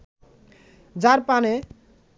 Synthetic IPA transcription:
d͡ʒaɾpane

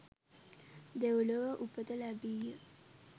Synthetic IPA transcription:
d̪ewloʋəʔupət̪əlæbijə

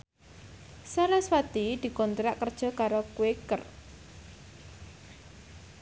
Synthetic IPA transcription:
saɾaswat̪id̪̥i̤kɔnt̪ɾaʔkːərd̥ʒ̥ɔ̤kaɾokuekər

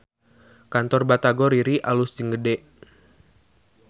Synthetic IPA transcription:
kant̪ɔrbat̪aɡɔɾiɾiʔalusd͡ʒəŋɡədɛʔ

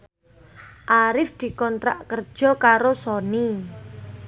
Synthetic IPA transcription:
ʔaɾɪfd̪̥i̤kɔnt̪ɾa̰ʔkər̥ʒ̥ɔ̤kaɾosɔni

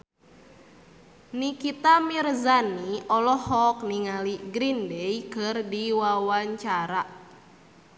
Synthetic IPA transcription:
nikit̪amirzaniɔlɔhɔk̚niŋaliɡɾindɛjkɨrdiwawaɲt͡ʃaɾa

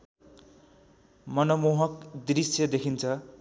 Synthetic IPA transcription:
mʌnʌmoɦʌkd̪risjʌd̪ekʰint͡sʰʌ

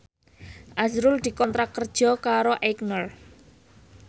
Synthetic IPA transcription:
ʔazɾʊld̪̥i̤kɔnt̪ɾakərd̥ʒ̥ɔ̤kaɾoʔɛknər

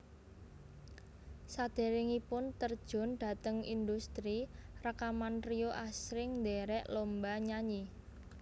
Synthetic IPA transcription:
sad̪̥e̤ɾɪŋipʊnt̪ərd̥ʒ̥ʊ̤nɖ̪̥a̤t̪əŋḭnd̪ust̪ɾirakamanrioʔasɾɪŋnd̪eɾɛʔlombaɲaɲi

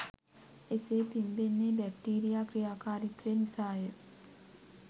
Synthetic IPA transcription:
esepimbenːebɛk̚ʈiːɾijaːkɾijaːkaːɾit̪ɾenisaːjə

